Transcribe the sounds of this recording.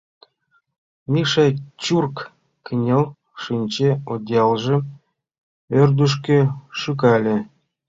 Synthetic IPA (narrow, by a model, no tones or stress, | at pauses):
mʲiʂɑt͡ɕurk | kʲɘnʲelˠ | ʂɨnʲt͡ɕeod̪ʲjɑlˠʐɘ̆ | ørd̪yʂ̬kʲĕʃykɑlʲĕ